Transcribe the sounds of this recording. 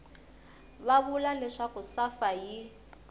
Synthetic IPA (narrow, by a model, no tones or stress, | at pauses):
βaβulalɛʂakʊsafaji